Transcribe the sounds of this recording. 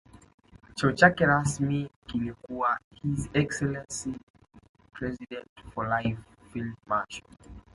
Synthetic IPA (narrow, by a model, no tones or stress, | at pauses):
t͡ʃɔut͡ʃakɛɹasmikilikuwahizɛksɛlɛ̃nsi | pʰɹɛzidɛ̃ntfɔlaɪf | filmaʃɔ̰l